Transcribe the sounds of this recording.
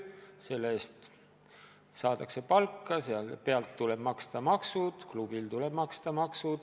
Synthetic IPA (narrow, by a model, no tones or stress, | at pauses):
se̞lːeːst̪ | sɑːd̪ɑkse̞pɑlkːɑseɑlpe̞ɑlt̪ːuleb̥mɑkst̪ɑmɑksud̪̥klub̥ilt̪uleb̥mɑkst̪ɑmɑksud̪̥